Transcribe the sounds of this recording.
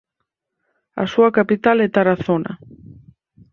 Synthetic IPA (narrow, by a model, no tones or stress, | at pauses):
a̰suɐkapit̪alɛt̪aɾaθonɐ̰